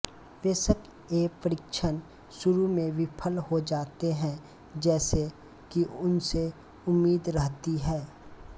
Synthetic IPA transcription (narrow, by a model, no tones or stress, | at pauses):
ʋeːsəb̚ | eːpəɾɪkʃʰən | ʃʊɾumẽʋɪpʰəlhod͡ʒaːt̪eɦɛ̃ | d͡ʒɛːse | kiʊnse | ʊmːiːd̪ɾəɦt̪iɦɛː